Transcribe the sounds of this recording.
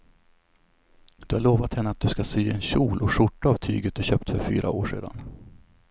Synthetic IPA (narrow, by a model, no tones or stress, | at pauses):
d̪̥ɵhaɭoːvat̪hɛnːəat̪̚d̪ɵskasyːɛnɕuːlʔɔʂʊʈːaavt̪ʰy̰ːɡət̪̚d̪ɵɕøːp̚t̪fœɾfy̰ːɾʔa̰oːʂḛːd̪a̰n